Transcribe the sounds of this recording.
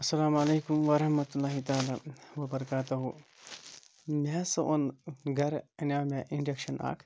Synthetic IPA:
ɐsːɐlaːmɐleːkumʋɐɾɐhmɐt̪ulːaːɦit̪aːlaːʋɐbɐɾɐkaːt̪ɐɦu | maːsɐʔonɡʱɐɾɐnaːmaʔiɳɖekʃɐna̰ːkʰ

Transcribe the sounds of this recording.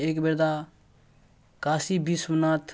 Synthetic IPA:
eːkbeɾd̪a | kaːsibʱismnaːt̪ʰ

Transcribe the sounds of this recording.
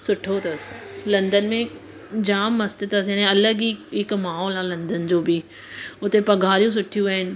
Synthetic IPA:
sʊʈʰot̪ɐslɐ̃nd̪ənmẽ | d͡ʑaːmːɐst̪ɪt̪ɐsjaːnẽɐləɡiɪkmaːɦɔːlãːlɐ̃nd̪ənɪ̆d͡ʑoːbi | ʊt̪epɐɡʱaːɾijũs̬ʊʈʰijũaːɦɪnɪ̆

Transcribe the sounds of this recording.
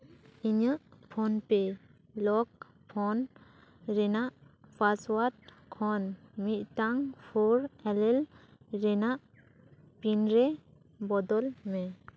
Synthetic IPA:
iɲəʔpʰɔnpe | lɔk̚ | pʰɔn | ɾɛnaʔpaswat̚kʰɔnmit̪̚ˀtaŋpʰɔɾɛlɛlɾɛnaʔ | pinɾɛ | bɔd̪ɔlmɛ

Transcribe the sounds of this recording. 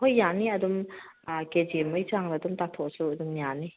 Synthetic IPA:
hojːaniɐdum | ked͡ʒemɯjt͡ʃaŋnɐɐdumtatʰɔsuɐdumjani

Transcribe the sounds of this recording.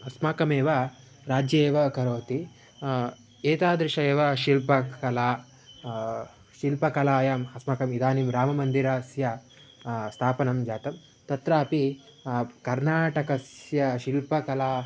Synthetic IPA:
ɐsmaːkɐmeːʋɐ | ɾaːd͡ʒjeːʋɐkɐɾoːt̪i | eːt̪aːd̪ɾiʃɐeːʋɐʃilpɐkɐlaː | ʃilpɐkɐlaːjaːmɐsmaːkɐmid̪aːnimɾaːmɐmɐnd̪iɾaːsjɐ | st̪ʰaːpɐnɐmd͡ʒaːt̪ɐm | t̪ɐt̪ɾaːpi | kɐɾnaːʈɐkɐsjɐʃilpɐkɐlaː

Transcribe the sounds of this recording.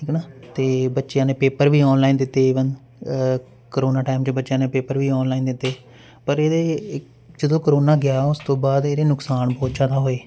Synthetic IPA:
ʈʰiːknaːt̪eːbətːʃjãːneːpeːpəɾʋiːɔːnlaːiːnd̪ɪt̪ːeːʋən | kəɾoːnaːʈaːɪmt͡ʃbətːʃjãːneːpeːpəɾʋiːɔːnlaːiːnd̪ɪt̪ːeː | pəɾeːd̪eː | d͡ʒəd̪õːkəɾoːnaːɡɪjaːʊst̪õːbaːd̪eːɾeːnʊksaːnbɔːt̪d͡ʒaːd̪aːɦoːeː

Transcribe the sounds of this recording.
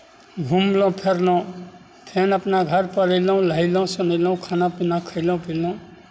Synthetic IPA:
ɡʱumlɔ̃pʰeɾlɔ̃ | pʰenapnaɡʱəɾpəlilɔ̃w̃laɦilɔw̃sɔnilɔ̃w̃kʰanapinakʰəjlɔ̃w̃pʰilɔ̃

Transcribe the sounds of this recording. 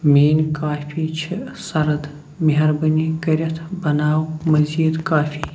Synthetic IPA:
meːnkaːfiːt͡ʃʰisɐɾɐd̪ | miɦɐɾbɨniɡɐɾʲɐt̪ʰbɐnaːwmɐzid̪kaːfiː

